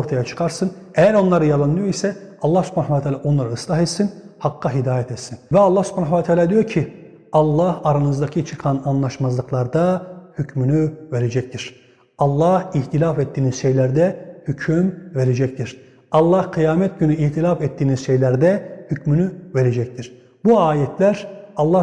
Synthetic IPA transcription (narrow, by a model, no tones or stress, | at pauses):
oɾt̪ʰajat͡ʃʰɯ̥kʰaɾsɯn | ɛjæɾo̞nlˠaɾɯjalˠanɯjoisɛɑlˠːɑhsy̥pʰanavaat̪ʰaːlʲaːo̞nlˠaɾɯɯslˠaɦɛt̪sinhɑqʰːaɦid̪aːjɛt̪ʰɛt̪sinvɛɑlˠːɑhsy̥pʰanavat̪ʰaːlʲaːd̪ijo̞ɾcʰi | ɑlˠːahaɾanɯzd̪acʰɯt͡ʃʰɯqʰananlˠaʃmazlˠɯqlˠaɾd̪ahycmynyve̞ɾed͡ʒɛct̪ʰiɾ̥ | ɑlˠːɑhiht̪ilʲafɛt̪ːiːnizʃejlʲæɾd̪ɛhycʰymve̞ɾed͡ʒɛct̪ʰiɾ̥ | ɑlˠːɑhqʰijaːmɛt̪̚ɟynyiht̪ʰilʲafɛt̪ːiːniz̥ʃejlʲæɾd̪ɛhycmynyve̞ɾed͡ʒɛc̚t̪ʰiɾ̥ | buaːjɛt̪ʰlʲæɾɑlˠːa